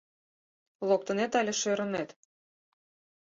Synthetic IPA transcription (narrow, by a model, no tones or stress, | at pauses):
lˠok̚t̪ɤ̆net̪ɑlʲeʃøɾɤ̆net̪